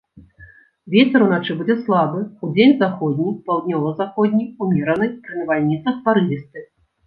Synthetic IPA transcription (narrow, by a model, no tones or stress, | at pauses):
vʲet͡sʲɛɾunat͡ʂɨbud͡zʲɛslˠabɨud͡zʲenʲzaxɔd̪ʲnʲipawd̪ʲnʲɔvɐzaxɔd̪ʲnʲiumʲɛɾɐnɨjpɾɨnʲɐvalʲnʲit̪sɐxpaɾɨlʲist̪ɨ